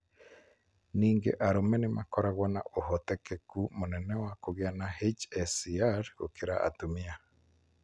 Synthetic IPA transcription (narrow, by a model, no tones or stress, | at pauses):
niːŋɡḛʔaɾomɛnemakɔɾaɣwana̰ʔoɦot̪ekekumonɛnɛwakoɣjanahet͡ʃɛsiaɾo̰keɾa̰ʔa̰tumia